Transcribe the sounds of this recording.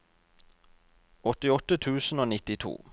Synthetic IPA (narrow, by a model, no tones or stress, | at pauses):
ɔt̪ɪɔt̪ət̪ʰʉːsn̩oːnɪt̪ɪt̪ʰṵː